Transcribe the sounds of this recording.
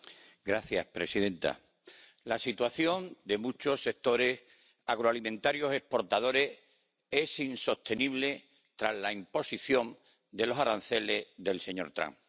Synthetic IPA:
ɡɾaθja̰spɾe̞siðẽ̞nt̪a̰ | lasit̪waθjõ̞nd̪e̞mut͡ʃo̞sːe̞k̚t̪o̞ɾe̞s | aɣɾoalimẽ̞nt̪aɾjo̞se̞hpo̞ɾt̪að̞o̞ɾe̞s | e̞sinso̞st̪e̞niβle̞ | t̪ɾazlaimpo̞siθjõ̞n | d̪e̞lo̞saɾan̟θe̞le̞zðe̞lse̞ɲo̞̰ɾt̪ɾa̰ŋ

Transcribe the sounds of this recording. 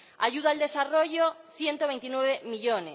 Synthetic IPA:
a̰ʝuðald̪e̞saro̞ʝoθje̞nt̪oβe̞jnt̪inweβemiʎone

